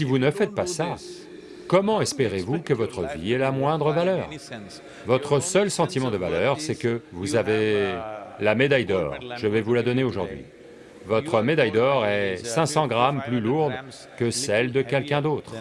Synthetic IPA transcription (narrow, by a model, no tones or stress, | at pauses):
sivunəfɛt̪̚pasa | kɔmɑ̃ɛspeʁevukəvɔt̪χəvḭɛlamwɛ̃d̪ʁəvalœːʁ | vɔt̪χəsœlsɑ̃t̪imɑ̃d̪əvalœʁsɛkəvuzave | lamed̪ajd̪ɔ̰ʁʒəvɛvulad̪ɔneoʒuʁd̪ɥḭ | vɔt̪χəmed̪ajd̪ɔʁɛsɛ̃sɑ̃ɡʁamplyluʁd̪ | kəsɛld̪əkʲɛlkʲɛ̃d̪ot̪χ